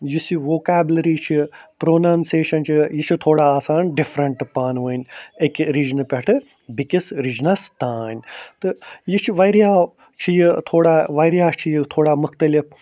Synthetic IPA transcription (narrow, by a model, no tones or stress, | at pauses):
jisiʋoːkaːbʲlɐɾiːt͡ʃʰipɾoːnaːnseːʃɐnt͡ʃʰijit͡ʃʰit̪ʰoːɽaːaːsaːnɖifɾɐɳʈpaːnʋɐːnʲekɾiːd͡ʒnpʲɐʈʰɨ | bikisɾiːd͡ʒnɐst̪aːnt̪ɨjit͡ʃʰiʋɐjɾjaː | t͡ʃʰijit̪ʰoːɽaːʋɐjɾijaːt͡ʃʰijit̪ʰoːɽaːmʊkʰt̪ɐlip